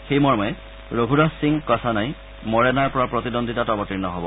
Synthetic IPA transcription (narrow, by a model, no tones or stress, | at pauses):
xejmɔɹmɔɛ | ɹoɡʱudɔsiŋkɔtʰanaj | mɔɹɛnaɹpɔɹapɹotidondʱitatɔbɔtiɹnɔɦɔbɔ̰